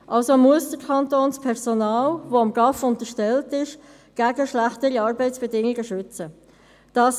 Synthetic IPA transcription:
ʔɑlsomuəsd̥əɾkʰɑntoːnspʰɛʁsonaːlvoɑmɡɑfʊntəʃtɛltɪʃ | ɡ̥æːɡəʃlæχtəɾiɑːɾbɛɪtsb̥ɛdɪŋiɡəʃʏt͡sə | d̥ɑːs

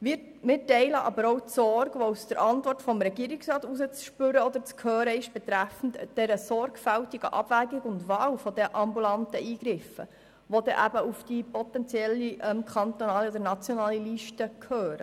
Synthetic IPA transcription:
mɪ | mɪːtɛɪləʔɑbəɾowtsɔɾɡʋousd̥əɾʔɑnt̪ʋɔrtfɔmɾɛɡiːɾɪksɾɑːt̪usət͡sʃpʏɾəɔd̪əɾt͡skʰhøːɾəɪʃb̥ɛt̪ɾæfn̩td̥ɛɾəsɔɾɡfæltiɡəʔɑb̥væːɡɪɡʊndʋɑːwfɔd̪ɛʔɑmbulɑnt̪əʔiːɡ̥ɾɪfə̰ | ʋod̪ɛʔæbəufd̥ipɔt̪ɛnt͡sjɛlːiʔɛmkχɑnt̪onɑːliɔd̥̪əɾnɑt͡sjɔnɑːliliʃtəkʰhøːɾə̰

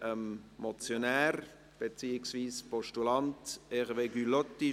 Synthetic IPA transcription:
ʔəmmɔt͡sjonæːɾ | b̥et͡siːɪksviːspɔʃtulɑnt̪eχəʋeɡylɔt̪ːi

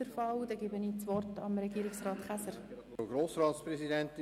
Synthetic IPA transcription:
əɾfɑwd̥ɛɡɪbəniːt͡sʋɔrtɑmɾɛɡiːɾɪksɾɑːtχæsəɾ | oɡɾoːsɾɑːt̪spɾɛsidɛnt

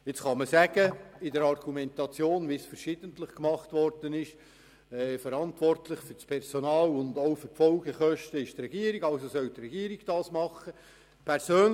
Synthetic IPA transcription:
ɪt͡sχɑməsæɡ̥əɪdəɾɑrɡ̥umɛntɑt͡sjoːnʋɪsfəɾʃɪd̥əntlɪχkmɑχtʋɔrd̥ənɪʃ | ɛfəɾɑntʋɔrtlɪχfʏɾspʰɛɾsonɑːlʊnd̪oʊfərfɔlɡəχœʃtəɪʃtrɛɡiəɾiɡ̥ɑlsosœlt̪rɛɡiːəɾiɡ̥d̥ɑːsmɑχːə | pʰɛɾsøːn

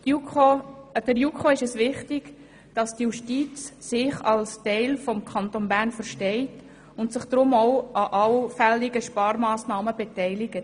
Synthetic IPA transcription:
uod̥əɾjukχoɪʃɛsʋɪχtɪɡ̥ | d̥ɑsd̥ijuʃtiːt͡ssɪχɑlstɛɪlfɔmkʰɑnt̪onbæːɾnfəɾʃtɛɪt | ʊntsɪχd̥ɾʊmoʊɑʔɑlfɛlɪɡəʃpɑːɾmɑːsnɑːməbetɛɪlɪɡət

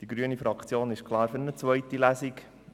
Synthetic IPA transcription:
d̥iɡɾyənifɾɑkt͡sjoːnɪʃkʰlˠɑːɾfʏɾnət͡sʋœjtilæsik

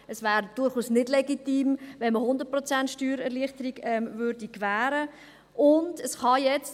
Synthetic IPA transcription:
əsvæːɾd̥ʊɾχuːsnɪdlɛɡitiːmvɛnməhʊnd̪ətpɾɔt͡sæntʃtyːɾɛɾliəχtəɾiɡɛmvʏːɾdikvæːɾə | ʔʊndəsχɑjɛt͡st

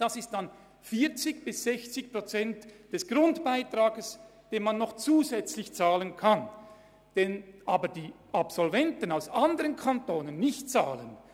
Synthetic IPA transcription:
d̥asɪst̚d̥an | fiːɐt͡sɪçb̥ɪsz̥ɛçt͡sɪçpʁ̥ot͡sɛntd̥ɛsɡ̥ʁʊntb̥aɪtʁ̥aːɡəsd̥eːnmanːɔχt͡suːzɛt͡slɪçt͡saːlənkʰan | d̥ɛnʔaːbədiː | ʔapsɔlvɛntənaʊsandəʁənkʰantoːnənːɪçt̚t͡saːlən

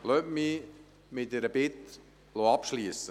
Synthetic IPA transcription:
lœtmi | mɪtːɛɾəbɪt̪ | loɑpʃliəsə

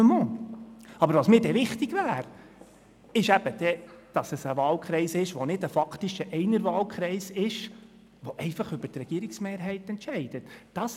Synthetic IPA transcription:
mo | ɑbəɾʋɑsmɪːɾdɛʋɪχt̪ɪɡvæːɾ | ɪʃæb̥əd̥ɛd̥ɑsəsəʋɑːlkχɾɛɪsɪʃʋonɪdəfɑkʰt̪ɪʃəʔɛɪnəɾʋɑːlkχɾɛɪsɪʃ | ʋoʔɛɪfɑχʏbəɾtɾɛɡ̥iːɾɪksmeːɾɦɛɪtɛntʃɛɪd̥ətd̥ɑs

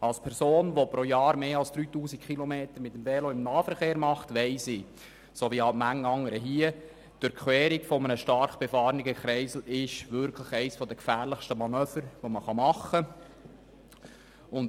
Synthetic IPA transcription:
ɑlspʰɛɾsoːnʋopɾojɑːɾmeːɑlsd̪̥ɾyːtuːsikχilomeːt̪əɾmɪt̪ːəmvɛloɪmnɑːfəɾχeːɾmɑχtʋɛɪsɪ | soʋiɑmæŋːɑŋːəɾəɦiə | d̥ʊɾkχwɛːɾiɡfɔmənəʃtɑɾχəb̥ɛfɑːɾniɡəχɾɛɪsl̩ɪʃʋʏɾkʰləχɛɪsfɔd̪əkfæːɾləχʃtəmɑnøːfəɾʋoməχɑmɑχə | ʊn

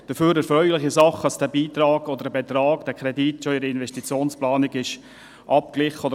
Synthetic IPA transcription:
d̥əføːɾɛɾfɾœʏlɪχisɑχəɑsd̥æbiːt̪ɾɑːɡɔd̪əɾəbɛt̪ɾɑːɡd̥æːkʰɾɛditːʃoɪɾəɪnvɛʃtit͡sjoːnsplɑːnɪɡɪʃ | ʔɑp̚klɪχəɔdə

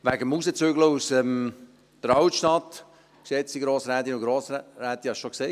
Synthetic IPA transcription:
ʋæɡəmusət͡syɡləusəm | d̥əɾɑwtʃtɑt̪ | ksɛt͡siɡɾoːsɾɛːd̪iʊɡɾoːsɾæːt̪iɑʃʃokse

